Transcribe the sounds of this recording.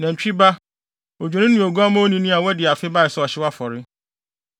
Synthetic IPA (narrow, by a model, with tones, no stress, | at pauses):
nã˨m̩˨t͡ɕᶣi˦ba˦ | o˨d͡ʑᶣe˨nɪ̃˦nũ˨o˨ɡu˦a˦mã˦o˦nĩ˦nĩ˦a˨wɛ˦dɪ˨a˨fɪ˦ba˦ɪ˨sɛ˦ɔ˨ɕɪ˦wa˦fɔ˨ɾɪ˦